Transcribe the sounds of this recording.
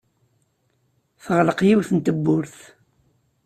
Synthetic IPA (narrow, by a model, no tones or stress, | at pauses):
θəʁləqjiwθənt̪əbːʊɾθ